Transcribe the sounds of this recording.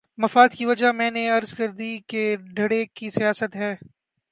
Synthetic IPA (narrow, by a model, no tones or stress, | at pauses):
mɐfaːd̪kiʋɐd͡ʒamɛ̃ːneɐɾzkɐɾd̪ikeɖʱɐɽekisijaːsət̪ɦɛː